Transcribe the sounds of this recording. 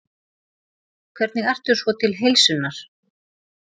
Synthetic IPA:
kʰvɛɾt̪nɪɣajr̥t̪ʏɾ̥svɔt̪ʰɪlɦejlsʏnːaɾ̥

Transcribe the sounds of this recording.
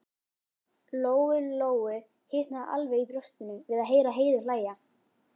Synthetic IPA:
loːwʏloːwʏ | hɪːt̪naðʔa̰lveit̪ɾœst̪ɪnːʏvɪðaðɦeːjɾaɦeːjðʏɾ̥laːja

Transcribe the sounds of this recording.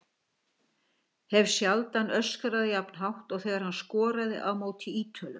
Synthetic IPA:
hɛvsjalt̪anœskaɾaðɪjapn̥ɦawht̪ɔɣθɛːɣaɾhanskɔːɾaðɪ̰ʔawmoːwt̪ʰɪiːt̪ʰœlʏ

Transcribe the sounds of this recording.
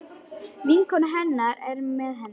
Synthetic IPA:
viŋkʰɔnaɦɛnːaɾɛɾmɛðɦɛn

